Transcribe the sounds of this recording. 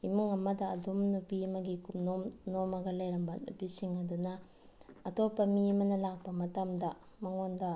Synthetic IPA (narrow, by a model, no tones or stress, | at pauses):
imuŋɐmɐdɐːdomnupimɐɡikumnomnomɐɡɐlɐjɾɐmbɐnṵpisiŋɐdunɐː | topːɐmimɐnɐlak̚bɐmɐtɐmdɐ | mɐŋondɐ